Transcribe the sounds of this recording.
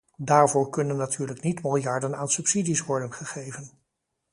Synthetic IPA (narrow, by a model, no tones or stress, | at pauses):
daːɹvʊːɹkɵnənːatʰyːɹləknitmɪlˠjɑɹdənaːnsɵpsidisʋɔɹdənχəχejvən